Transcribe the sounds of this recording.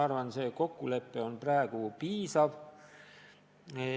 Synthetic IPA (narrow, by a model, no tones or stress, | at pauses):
ɑrvɑnse̞ːko̞kːˑule̞pːˑeo̞npræːɡ̥upiːsɑv